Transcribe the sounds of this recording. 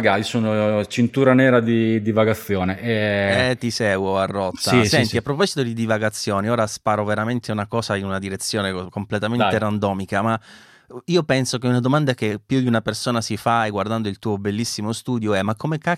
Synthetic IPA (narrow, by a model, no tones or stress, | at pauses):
ɡaisoːnot͡ʃint̪uːɾanɛːɾad̪id̪ivaɡat̪sːjoːneʔɛɛt̪ːisɛːɡwoarːɔt̪ːaisɛnt̪iapːɾopɔzi̥t̪od̪id̪ivaɡat̪sːjoːnioːɾaspaːɾoveɾament̪ʰeunakɔːsainunad̪iɾet̪sːjoːnekomplet̪ament̪eɾand̪ɔːmikama | iːopɛnsokeunad̪omand̪akepːjud̪iunapersoːnasifajɡward̪and̪oilt̪uːobelːisːimost̪uːd̪joɛmakːomeka